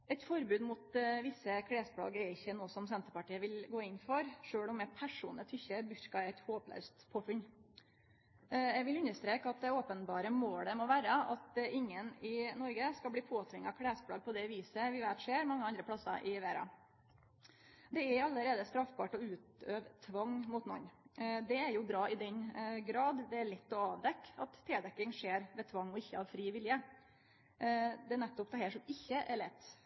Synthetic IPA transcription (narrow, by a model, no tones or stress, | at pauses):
ɛɪt̪fɔɾbʉːd̪mʊt̪ʋɪsːəkʰɽeːspʰɽɑ̰ːɡɛɾɪçːənoːsɔmsɛnt̪əɾpɑʈiːəʋɪlɡoːɪnfɔɾʂøːɽɔmɛpʰæʂṵːnət̪ʰʏçːəbʉɾkɑɛɪt̪hoːplæ̰ɾst̪pʰoːfʉn | jɛɡʋɪlʉnːəʂt̪ɾeːkɑt̪̚d̪ɛoːpənbɑːɾəmoːləmɔʋæːɾəɑt̪ɪŋːənɪnɔɾɡəskɑlb̪iːpʰoːt̪ʰʋɪŋːɑkʰɽeːspʰɽɑ̰ːɡ̚pʰɔd̪ɛʋiːsəʋɪʋæːt̪ʂeːɾmɑŋːəɑnd̪ɾəpʰlɑsɑ̰ɾʔɪʋeːɾɑ̰ | d̪ɛæɾɑlːəɾeːd̪əst̪ɾɑfbɑːʈɔʉːt̪øːʋt̪ʰʋɑŋmʊt̪nɔ̰nːd̪ɛæɾjʊbɾɑːɪd̪ɛɲɡɾɑːd̪d̪ɛæɭɛt̪ːɔɑːʋd̪ɛkːɑt̪ʰːeːd̪ɛkːɪŋʂeːɾʋɛt̪ʰʋɑŋːɔɪçːəɑʋfɾiːʋɪljə | d̪ɛnɛt̪ːɔp̚t̪ʰɑhɛːʂɔmɪçːəʔæɭɛt̪ː